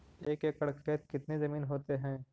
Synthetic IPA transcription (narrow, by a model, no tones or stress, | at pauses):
eːkekəɽkːeːt̪kɪt̪nezɐmiːnɦoːt̪eɦɛ̃ː